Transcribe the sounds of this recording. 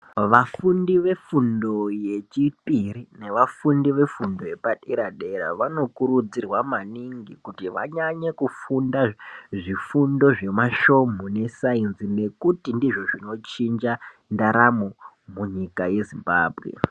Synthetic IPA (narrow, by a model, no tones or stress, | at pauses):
ʋafundiʋe̞fundo̞je̞t͡ʃipirine̞ʋafundiʋe̞fundo̞je̞paɗiɾaɗe̞ɾa̰ʋano̞kuɾud͡zirwamaniŋɡikutiʋa̰ɲaɲekufundaʐifundo̞ʐe̞maʃo̞mone̞sainzine̞kutindiʐo̞ʐino̞t͡ʃind͡ʒa | ndaɾamo | muɲikaje̞zimba̰ːbʱɣḛ